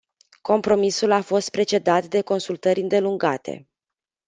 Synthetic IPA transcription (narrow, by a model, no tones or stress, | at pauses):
ko̞mpɾo̞misulafo̞st̪̚pɾe̞t͡ʃe̞d̪at̪d̪e̞ko̞nsult̪əɾʲɨnd̪e̞luŋɡa̰t̪e̞̰